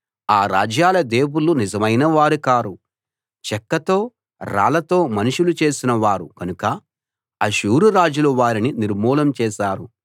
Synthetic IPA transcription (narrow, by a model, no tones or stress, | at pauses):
aːɾa̰ːd͡ʒjaːlɐd̪e̞ːwulunizɐmɐjnɐʋaːɾikaːɾu | t͡ʃɛkːɐt̪o̞ː | ɾa̰ːlɐt̪o̞ːmɐnuʃʂulut͡ʃe̞ːsinɐʋaːɾukɐnukɐ | ɐʃuːɾuɾaːd͡ʒuloʋaːɾininiɾmɔːlɐmt͡ʃɛːʃaːɾu